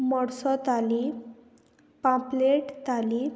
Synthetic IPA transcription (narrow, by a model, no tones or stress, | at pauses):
mɔɽsɔt̪ali | pãpleʈt̪ali